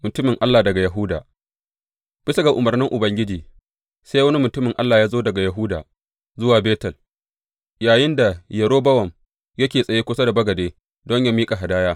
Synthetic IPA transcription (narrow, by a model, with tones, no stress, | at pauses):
mʊ˨tʊ˦mɪ˨ŋʔa˦lːaː˨dɐ˨ɡa˨jɐ˨ɦʊ˦daː˨ | b̥ɪ˦sɐ˦ɡa˨ʔʊ˨mɐ˨rnɪ˦ŋʔʊ˨bɐ˦ŋɡʲɪ˦d͡ʒiː˨ | sa˦jwɐ˦ni˦mʊ˨tʊ˦mɪ˨ŋʔa˦lːaː˨jaː˦zoː˦dɐ˨ɡa˨jɐ˨ɦʊ˦daː˨ | zʊ˦waː˨beː˦tɐ˨l | jaː˨jɪ˦nda˨jɐ˨ɽoː˦bɐ˦wɐ˨m | jɐ˦kʲeː˨sʼɐ˨jeː˦kʷʊ˦sa˦da˨bɐ˦ɡɐ˨deː˦ | dɔ˦ɲja˦miː˦kʼa˨ɦa˨daː˦jaː˦